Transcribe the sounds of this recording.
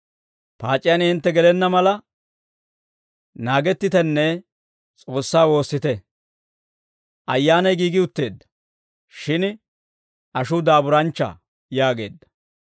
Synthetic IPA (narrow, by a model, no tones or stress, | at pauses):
paːt͡ʃʼːɪjɐnɪnt̪ːɛɡɛlɛnːɐmɐlɐ | naːɡɛt̪ːɪt̪ɛnːɛ | t͡sʼo̞ːsːaːwo̞ːsːɪt̪ɛ | ʔɐjːaːnɐjɡiːɡɪʊt̪ːe̞ːd̪ːɐ̥ | ʃɪn | ʔɐʃʊd̪aːbʊɾɐnt͡ʃːɐ̰ | jaːɡe̞ːd̪ːɐ̥